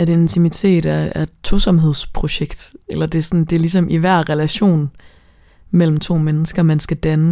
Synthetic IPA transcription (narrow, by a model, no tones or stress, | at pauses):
æd̥ent͡sʰimit͡sʰe̝̰ːd̥æɐæɐdt͡sʰo̝sɒ̽mɦe̝ð̞̰ˠspʰʁo̝ɕeɡ̥d̥elɐd̥e̝sɒ̽nd̥e̝lis̬ɒ̽mʔiʋæɐ̰ʁɛlæɕo̝̰ːn | mel̰m̩t͡sʰo̝̰ːmenəsɡ̥ɐmænsɡ̥æd̥ænə